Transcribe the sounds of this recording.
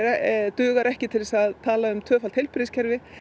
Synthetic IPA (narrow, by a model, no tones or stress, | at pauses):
t̪ʏːɣaɾɛhcɪt̪ʰɪlsaðt̪ʰaːlaʏmt̪ʰœːfalt̪hejlpɪɾɪscʰɛɾvɪ